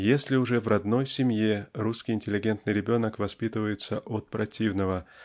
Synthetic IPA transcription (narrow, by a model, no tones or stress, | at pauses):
jesʲlʲɪʊʐɛvrɐd̪no̞jsʲɪmʲjeruskʲɪjɪnʲtʲɪlʲːɪɡʲe̞nt̪nɨjɾʲɪbʲo̞nəkvɐspʲit̪ɨvəjɪt̪səʔot̪̚pɾɐtʲivnəvə